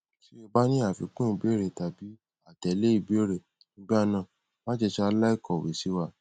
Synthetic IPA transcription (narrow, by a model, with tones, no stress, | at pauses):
si˦e˧ba˦nĩ˦a˦˨fi˧˦kũ˦i˧˨bi˦e˦ɾe˨ta˨bi˨˦ | a˨tɛ˨˦le˦i˦˧˨bi˦e˦ɾe˨ | nĩ˨˦ɡ͡ba˦˧nã˨ | ba˦d͡ʒɛ˧ʃɛ˧a˧la˦i˦˨kɔ˨wḛ˨si˨˦wa˧